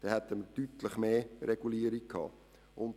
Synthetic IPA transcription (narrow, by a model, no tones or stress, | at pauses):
d̥ɛhɛt̪ːəməɾtyt̪ləχmeːɾɛɡuliəɾikkʰːɑ̰ː | ʔʊnt